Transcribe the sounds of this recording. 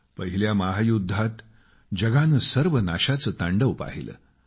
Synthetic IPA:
pəɦiljamaɦajud̪ʱːat̪ | d͡ʑəɡanəsəɾʋənaɕat͡səːt̪aɳɖəʋpa̰ɦilʔə̰ː

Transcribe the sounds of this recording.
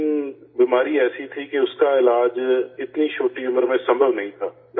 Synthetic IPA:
biːmaːɾiɛːsit̪ʰikeʊskaɪlaːd͡ʒɪt̪niʃoːʈiʊməɾmẽsɐ̃mbʱəʋnɐɦĩt̪ʰaː | d

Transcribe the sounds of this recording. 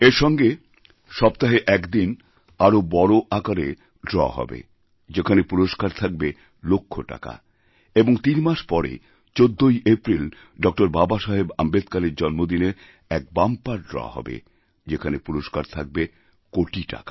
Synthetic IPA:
eɾʃɔŋɡe | ʃɔbt̪aɦeʔɛkd̪in | aɾobɔɾoʔakaɾe | ɖɾɔ̰aɦɔ̰bḛ | d͡ʑekʰanepuɾoʃkaɾt̪ʰak̚be | lokʰːoʈa̰ka̰ | eboŋt̪inmaʃpɔɾḛ | t͡ɕod̪ʱːojʔepɾil | ɖɔk̚ʈoɾbabaʃaɦebambed̪kaleɾd͡ʑɔnmod̪ineɾ | ɛk̚bampaɾɖɾɔ̰a̰ɦɔ̰bḛ | d͡ʑekʰanepuɾoʃkaɾt̪ʰak̚be | koʈiʈa̰ka

